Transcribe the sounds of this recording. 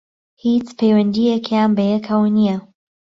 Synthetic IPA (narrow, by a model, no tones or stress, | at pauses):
hit͡spʰejwɐnd̪ijekʰjaːnbɐjɛkʰɐwnijɐ